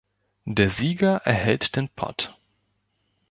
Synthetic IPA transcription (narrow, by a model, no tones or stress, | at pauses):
d̥eːɐziːɡɐʔɛɐhɛltd̥eːnpʰɔ̰t